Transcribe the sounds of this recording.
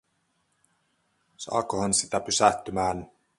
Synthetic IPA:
sɑ̰ːkohɑnsit̪æpysæht̪ːymæːn

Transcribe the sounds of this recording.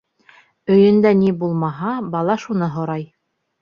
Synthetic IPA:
ɵ̆jɘ̆nd̪ænibulˠmɑɦɑbɑlˠɑʃun̪ɤɦŏɾɑj

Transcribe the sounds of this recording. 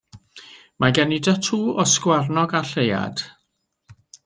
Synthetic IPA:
mʔaɡɛnidatʰuːʔɔskwarnɔɡaɬeja̰d̥

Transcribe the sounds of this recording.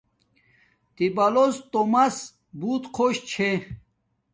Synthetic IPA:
t̪ibɐlost̪omɐs | buːt̪qʰoɕt͡ɕʰe

